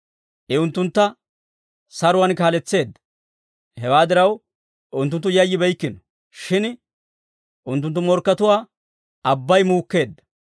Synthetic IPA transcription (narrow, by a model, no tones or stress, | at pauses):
ʔɪʊnt̪ːʊnt̪ːɐ | sɐɾʊwɐnkaːlɛt͡sːe̞ːd̪ːɐ̥ | hɛwaːd̪ɪɾɐw | ʔʊnt̪ːʊnt̪ːʊjɐjːɪbɛjkːɪnɔ̥ | ʃɪn | ʔʊnt̪ːʊnt̪ːʊmɔɾkːɐt̪ʊwaː | ɐbːɐjmuːkːe̞ːd̪ːɐ̥